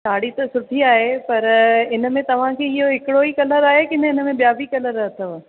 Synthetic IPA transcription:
saːɽit̪ɐsʊʈʰiaːɦepɐɾɪnə̆mẽt̪ɐʋ̤ãkʰeɪɦoɦɪkɪɽoikɐləɾaːɦekɪnəɪnəmẽɓijaːbʱikɐləɾɐt̪ʰəʋ

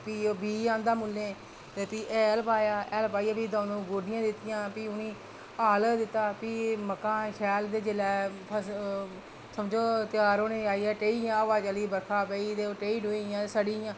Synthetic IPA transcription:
piːoːbiːãːnd̪aːmulːẽː | t̪eːpiːʔɛːlpaːjaːʔɛːlpaːiːaːpiːd̪ãːnũːɡoːɖɪjãːd̪ɪt̪ːɪjãːpiːʊnĩː | aːld̪ɪt̪ːaːpiːməkːãːʃɛːld̪eːd͡ʒɪlɛːpʰəs | səmd͡ʒoːt̪ɪjaːɾoːneːaːiːɛːʈeːiːãːəʋaːd͡ʒəliːbəɾkʰaːpəiːt̪eːoːʈeːiːɖoːijãːsəɽiːjãː

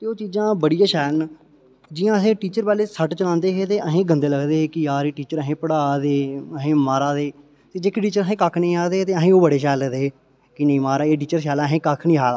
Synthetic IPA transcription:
t̪eːoːt͡ʃiːd͡ʒãːbəɽijãːʃɛːln | d͡ʒɪːjãːəsẽːʈiːt͡ʃəɾpɛːleːsəʈt͡ʃəlãːnd̪eːɦeːt̪eːʔəɦẽːɡənd̪eːləɡd̪eːeːkɪjaːɾeːʈiːt͡ʃəɾəɦẽːpəɽaːd̪eːəɦẽːmaːɾaːd̪eː | t̪eːd͡ʒeːkɪʈiːt͡ʃəɾəɦẽːkakʰnəĩːaːd̪eːt̪eːəɦẽːoːbəɽeːʃ̬ɛːləd̪eː | kɪnəĩːmaːɾaːeːʈ̬iːt͡ʃəɾʃ̬ɛːlaːɦẽːkakʰnĩːɦaːla

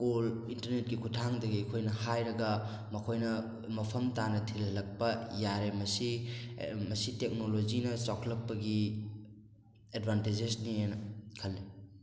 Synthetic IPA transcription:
kulintɐɾnet̚ɡikʰutʰaŋdɐɡikʰojnɐhajɾɐɡɐ | mɐkʰojnɐ | mɐpʰɐmtanɐtʰillɐk̚pɐjaɾemɐsi | mɐsitek̚nolod͡ʒinɐt͡ʃawkʰlɐk̚pɐɡi | edbʱanted͡ʒesnienɐkʰɐlːi

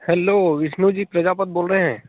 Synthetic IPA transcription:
hɛloːʋɪʃnuːd͡ʒiːpɾɐd͡ʒapət̪̚boːlɾəɦeɦɛ̃ː

